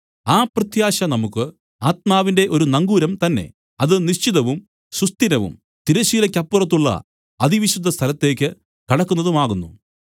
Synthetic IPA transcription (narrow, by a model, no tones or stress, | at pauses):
aːprɨt̪jaːɕɐnɐmukːɨ | aːt̪̚maːʋinde̞ʔo̞ɾunɐŋɡuːɾɐmt̪ɐnːe̞̰ | ɐðɨniɕt͡ɕiðɐʋum | ɕust̪inɐʋṵm | t̪iɾɐɕiːlɐkʲːɐpːurɐt̪̬ːuɭːɐ̰ | ɐðiʋiɕud̪ʱːɐst̪ʰɐlɐt̪ːe̞ːkʲːɨ | kɐɽɐkːunːɐðumaːɣunːu